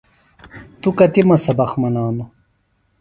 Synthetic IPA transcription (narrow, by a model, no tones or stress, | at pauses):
t̪ukɐt̪imɐsɐbɐxmɐnaːnu